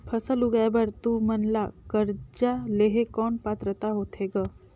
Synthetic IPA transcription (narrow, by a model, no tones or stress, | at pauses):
pʰəsəluɡaebəɾt̪umɐnlakəɾd͡ʒaleɦekɔːnpaːt̪ɾət̪aɦoːt̪ʰeːɡaː